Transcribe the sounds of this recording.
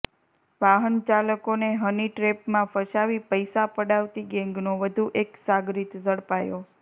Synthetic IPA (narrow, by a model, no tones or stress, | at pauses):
ʋaɦənt͡ʃaləkoneɦəniʈɾepmãfəʃaʋipəjsapəɽaʋt̪iɡɛ̃ŋɡnoʋəd̪ʱuʔeksaɡɾit̪zəɽpajo